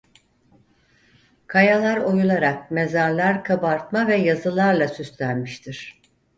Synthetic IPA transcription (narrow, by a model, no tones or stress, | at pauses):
kʰajalˠaɾo̞julˠaɾak̚me̞zaɾlˠaɾkʰabaɾt̪mavɛjazɯlˠaɾlˠasyst̪lʲænmiʃt̪ʰiɾ̥